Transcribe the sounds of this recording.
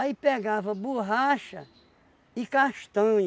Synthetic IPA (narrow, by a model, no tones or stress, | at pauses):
aipeɡavɐbuɦaʃɐ̰ | ikaʃt̪ɐ̃ɲ